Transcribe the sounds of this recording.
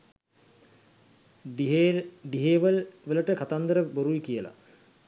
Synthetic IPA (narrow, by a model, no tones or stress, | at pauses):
ɖiɦeːʋəlʋələʈəkat̪and̪əɾəboɾuikijəla̰